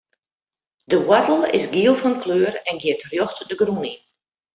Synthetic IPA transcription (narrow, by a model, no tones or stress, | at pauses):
dəwatl̩ˠɪ̰sɡiəlˠfɔnkʰløːrɛnɡjɪətrjoxtdəɡrunin